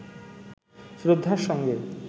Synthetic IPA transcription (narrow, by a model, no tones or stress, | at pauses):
sɾod̪ʱːaɾʃɔŋɡe